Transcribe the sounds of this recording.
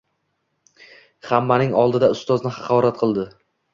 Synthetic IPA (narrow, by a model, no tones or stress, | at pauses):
hamːanɪŋɒlˠd̪ɪd̪aʊst̪ɒznɪχɑqʰɒɾat̪̚qʰɨlˠd̪ɪ